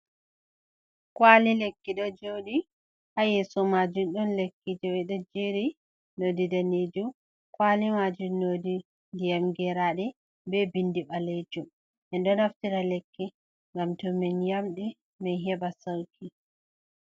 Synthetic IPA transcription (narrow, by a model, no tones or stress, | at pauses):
kwalilekːiɗɔd͡ʒowɗi | hajɛsɔmad͡ʒumɗɔnlekːid͡ʒowiɗɔd͡ʒiɾi | nodidaned͡ʒum | kwalimad͡ʒumnodi | ndijamɡɛɾaɗɛ | bɛbindiɓaled͡ʒum | ʔɛnɗɔnaftiɾalekːi | ŋɡamtɔmɛnjamɗi | mɛnɦɛbasawkʰi